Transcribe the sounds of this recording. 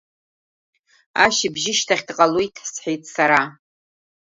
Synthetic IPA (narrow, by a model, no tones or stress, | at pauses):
aʃɪbʒɪʃtʰaχʲdqʼalujtʰʼħsħejtʼʰsaɾa